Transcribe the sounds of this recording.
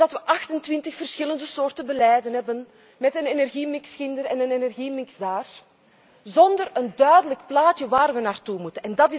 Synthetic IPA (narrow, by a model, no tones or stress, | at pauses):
dɑtʋəʔɑxtəntʋɪntəxfərsxɪləndəsoːrtənbəlɛːjdənɦɛbən | mɛtənenɛrɣimɪksxɪndəɾɛnənenɛrɣimɪkzdaːr | zɔndərəndœɥdələkplaːtjəʋaːrʋənaːrtumutənɛndɑtɪ